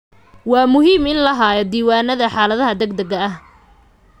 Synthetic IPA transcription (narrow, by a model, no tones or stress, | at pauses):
wɑːmʊɦiːmɪnlɐɦaːjɐd̪iːwaːnɐðɐħaːlɐðɐɦɐd̪ɐɡd̪ɐɣɐɐh